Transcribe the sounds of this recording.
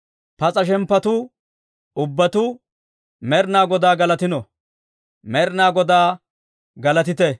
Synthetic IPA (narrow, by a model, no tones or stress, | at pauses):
pɐt͡sʼɐʃ̬ɛmpːɐt̪u | ʊbːɐt̪uː | mɛɾnaːɡɔd̪aːɡɐlɐt̪ɪnɔ | mɛɾnaːɡɔd̪aː | ɡɐlɐt̪̬ɪt̪ɛ